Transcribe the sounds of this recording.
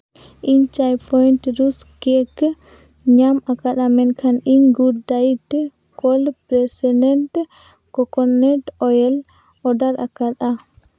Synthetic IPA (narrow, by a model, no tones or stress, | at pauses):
iɲt͡ʃajpʰɔjntɾusɡɛk | ɲamakaɗ̪amɛnkʰaniɲɡuɾd̪ait̪ɛ | kɔlpɾɛsɛdɛnʈ | kɔkɔnːɛʈɔjɛl | ɔɖaɾakat̪a